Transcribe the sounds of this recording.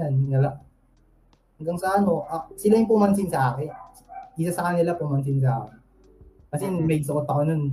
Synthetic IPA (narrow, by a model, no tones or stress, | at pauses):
anːɐla | hɐŋɡɐŋsɐʔɐno̞ʔɐsɪlajʊŋpʊmɐnsɪnsɐʔaːkɪn | ʔɪsasɐkɐnɪlapʊmɐns̬ɪns̬ɐʔaːkɪn | kɐsɛmɐjsɐʔot̪̚pɐkonon